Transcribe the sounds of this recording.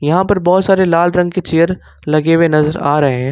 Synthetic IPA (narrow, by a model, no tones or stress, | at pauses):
jɐɦãpɐɾbɔːt̪saːɾelaːlɾɐ̃ŋɡket͡ʃejəɾ | lɐɡewenɐzəɾaːɾɐɦeɦɛ̃ː